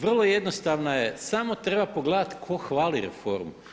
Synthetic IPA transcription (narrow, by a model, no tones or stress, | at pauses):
ʋr̩lˠo̞je̞d̪nost̪aʋnajesamo̞t̪ɾe̞bapoɡled̪at̪kʰo̞xʋaːliɾḛfo̞ɾmu